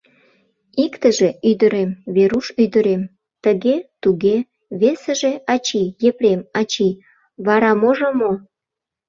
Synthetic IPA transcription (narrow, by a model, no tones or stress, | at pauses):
ikt̪əʒeʔyd̪əɾemβeɾuʃyd̪əɾem | t̪əɣet̪uɣe | βesə̆ʒeɑt͡ɕijepɾemɑt͡ɕi | βɑɾɑmoʒomo